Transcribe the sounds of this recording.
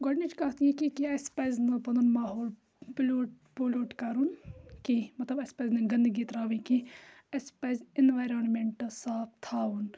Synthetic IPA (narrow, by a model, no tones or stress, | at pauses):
ɡɐɖned͡ʒkɐɦt̪ijikikiɐspɐznɐpɐnɐnmaːɦoːl | ploːʈ | poloːʈkɐɾunkimɐt̪lɐbɐspɐznɐɡɐ̃nd̪ɡiːt̪ɾaːʋĩki | ɐspezɪnʋaːjɾoːnmeɳʈsaːpʰt̪ʰaːun